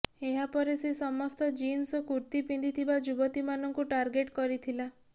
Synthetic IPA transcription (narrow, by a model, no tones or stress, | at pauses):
eɦapɔɾesesɔmɔst̪ɔd͡ʒinsɔkuɾt̪ipind̪it̪ʰibad͡ʒubɔt̪imanɔŋkuʈaɾɡeʈkɔɾit̪ʰila